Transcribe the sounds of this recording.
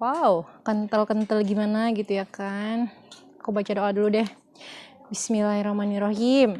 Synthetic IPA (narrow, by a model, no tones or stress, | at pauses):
wawkənt̪əlkənt̪əlɡimanaɡit̪ujakan | kobat͡ʃadoʔaduludɛh | bismilahiɾahmaniɾaɦim